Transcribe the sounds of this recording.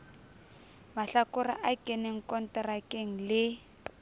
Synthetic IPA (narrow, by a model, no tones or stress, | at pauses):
maɬakʊra̰ʔakɛneŋ̩kɔn̩tɛrakʼeŋ̩lɪ